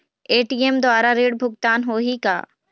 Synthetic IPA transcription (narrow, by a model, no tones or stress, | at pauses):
eːʈiːemd̪ʊaːɾaɾeːɽbʱʊɡt̪aːnɦoːɦika̰ː